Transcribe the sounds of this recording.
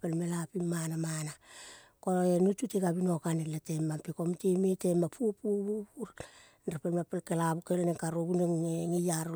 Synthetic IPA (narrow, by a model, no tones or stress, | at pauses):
pelmelapimːanamana | koenututeɡabinokaneletemːapekomtemetemapʰupubupuɾ | nɾepelmepelkelabukelenekaɾoɡuneeŋejaɾ